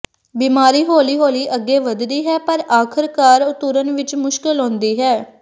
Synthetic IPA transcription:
biːmaːɾiːɦoːliːɦoːliːʔəɡːeːʋəd̪d̪iːɦɛːpəɾaːkʰəɾkaːɾʊt̪ʊɾənʋɪt͡ʃmʊʃkɪlɦõːnd̪iːɦɛː

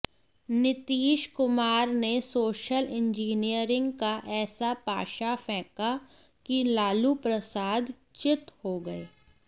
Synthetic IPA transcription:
nɪt̪iːʃkʊmaːɾnesoːʃəlɪ̃ɲd͡ʒiːnijəɾɪ̃ŋɡkaʔɛːsapa̰ːʃafɛ̃ːka | kilaːlupɾɐsaːd̪ | t͡ʃɪt̪hoɡɐeː

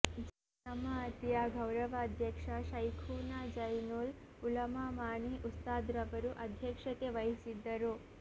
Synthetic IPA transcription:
d͡ʒ | ɐmaɐt̪jaːɡʱɐwɾɐʋɐːd̪ʱjɐkʂɐʃɐjkʰuːnad͡ʒɐjnuːl | ulɐmamaːɳiʔust̪aːd̪ɾɐʋɐɾuʔɐd̪ʱjɐkʂɐt̪eʋɐɦisid̪ːɐɾu

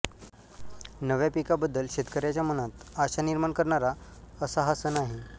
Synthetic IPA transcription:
nəʋjapikabəd̪ːəlɕet̪kəɾjat͡ɕjamənat̪aɕaniɾmaɳkəɾɳaɾaəsaɦasənaɦi

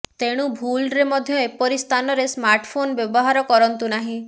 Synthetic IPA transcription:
t̪eɽ̃ubʱulɾemɔd̪ʱjɔepɔɾist̪ʰanɔɾesmaɾʈpʰonbjɔbɔɦaɾɔkɔɾɔnt̪unaɦĩ

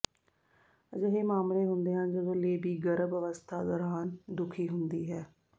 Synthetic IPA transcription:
əd͡ʒəɦeːmaːmɾeːɦʊnd̪eːɦãːnd͡ʒəɡõːleːbiːɡəɾəbəʋəst̪ʰaːd̪ɔːɾaːnd̪ʊkʰiːɦʊnd̪iːɦɛː

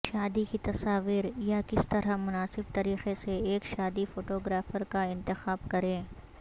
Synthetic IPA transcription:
ʃaːd̪ikit̪ɐsaːʋiːɾjakɪst̪ɐɾamʊnaːsɪbt̪ɐɾiːxeseeːkʃaːd̪ifoːʈoːɡɾaːfəɾkaɪ̃nt̪ɪxaːbkɐɾẽː

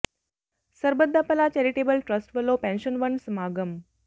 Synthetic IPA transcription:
səɾbəd̪ʱːapəlat͡ɕeɾiʈebəlʈɾəsʈʋəlopɛ̃nɕənʋəɳsmaɡəm

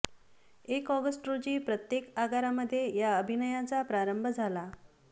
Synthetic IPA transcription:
ekɔɡəsʈɾod͡ʑiːpɾət̪jekaɡaɾaməd̪ʱːjejaəbʱinəjat͡sapɾaɾəmbʱəd͡zʱala

